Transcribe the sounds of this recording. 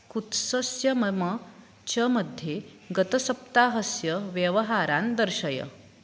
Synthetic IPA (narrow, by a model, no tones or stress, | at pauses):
kut̪səsjɐmmə | t͡ɕɐməd̪ʱje | ɡət̪əsɐp̚t̪aɦəsjəʋjəʋəɦaɾand̪əɾɕɐjə̰